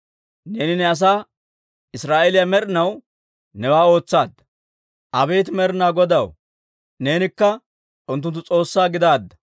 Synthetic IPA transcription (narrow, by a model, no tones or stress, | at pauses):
ne̞ːnɪnɛɐs̬aː | ɪsɾaːʔɛlɪjɐmɛɾɪnɐw | nɛwaːo̞ːt͡sːaːd̪ːɐ | ʔɐbe̞ːt̪̬ɪmɛɾɪnaːɡɔd̪ɐw | ne̞ːnɪkːɐ | ʔʊnt̪ːʊnt̪̬ːʊt͡sʼo̞ːsːaːɡɪd̪aːd̪ːɐ̥